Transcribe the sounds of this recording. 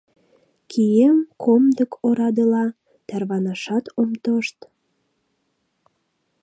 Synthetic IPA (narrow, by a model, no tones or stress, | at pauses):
kʰijemkʰomd̪əkʰoɾɑd̪əlɑ | t̪ærβɑnɑʃɑt̪omt̪oʃt̪